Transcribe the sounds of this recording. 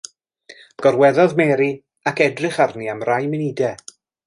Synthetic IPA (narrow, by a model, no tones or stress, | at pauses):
ɡ̥ɔrwɛðɔðmɛɾi | akɛdrɪχarniamrajmɪnidɛ